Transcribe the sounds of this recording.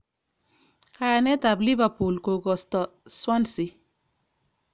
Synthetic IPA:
kaɾa˨nɛ˦t̪a˨bli˦ba˨pu˨lko˨ɡɔ˨st̪ɔ˨swa˦nsi˨

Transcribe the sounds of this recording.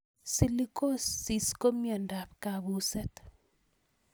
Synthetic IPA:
si˦li˦ko˦sːi˨sko˦mja˨nda˨p̚ka˨βu˦sɛ˦t̪

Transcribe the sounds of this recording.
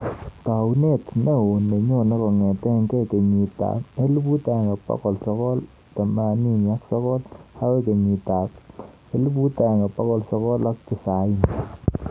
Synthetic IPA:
ta˨wne˦˨tne˦o˨ne˨ɲo˦˨ne˦kɔ˨ŋɛ˨tɛ˦ŋke˦ke˨ɲi˨ta̰˨kne˦lu˦bu˦ta˨ŋe˨pa̰˦kɔ˨lsɔ˧kɔ˦l | ta˨ma˨ni˦ɲa˦ksɔ˦kɔ˦lha˦we˦ke˨ɲi˨ta˨k̚ | e˦lu˦bu˦ta˨ŋɡe˨pa˦kɔ˦lsɔ˧kɔ˦la˦k̚ti˨sa˨i˦n

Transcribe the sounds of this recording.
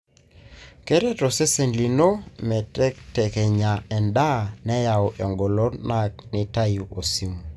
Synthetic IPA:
kɛ˦ɾɛ˦tɔ˨se˦se˨nli˨no˦mɛ˨tɛ˦ktɛ˨kɛ˨ɲa˨ɛ˨nda˦˨nɛ˦ja˨ɔ˨ʔɔ˨ŋɡɔ˨lo˦na˦˨k̚nɪ˦ta˦ju˨ʔo˨si˦m˨

